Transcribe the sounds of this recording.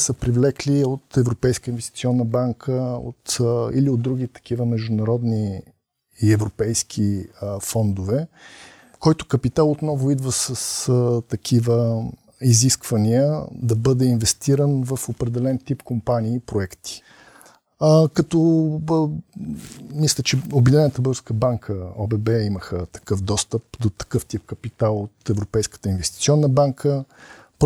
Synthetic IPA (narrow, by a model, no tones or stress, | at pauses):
səpɾivlɛkliot̪ɛvɾopɛjskəinvɛst̪it̪siɔnːəbaŋkʰəo̰t̪ḭliod̪d̪ːɾuɡ̟it̪ɐ̥k̟ivəmɛʒd̪ʊnɐɾɔd̪ni | ɛvɾopɛjskʰifɔnd̪ʊvɛ | kɔjt̪ʊ̥kɐpit̪alˠot̪nɔvʊid̪vəsəst̪ɐkʰivə | iziskvɐniəd̪ɐbɤd̪ɛinvɛst̪iɾənvəfopɾɛd̪ɛlɛnt̪ipkompaniːpɾoɛkt̪i̥ | kɐt̪ɔ | mislʲət͡ʃɛobid̪inɛnət̪əbəɾskəbaŋkʰəɔbɛbɛiməxət̪ɐ̥kɤfd̪ɔst̪əp̚d̪ot̪ɐ̥kɤft̪ip̚kɐpit̪alˠot̪ɛvɾopɛjskə̥t̪əinvɛst̪i̥t̪siɔnːəbaŋkʰəp